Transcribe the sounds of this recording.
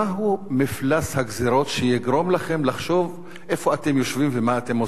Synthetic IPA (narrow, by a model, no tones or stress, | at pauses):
aɦumiflashaɡziɾo̞tʃejiɡʁo̞mlaχe̞mlaχʃo̞v | ʔefo̞at̪e̞mjoʃvimvemaːt̪e̞mo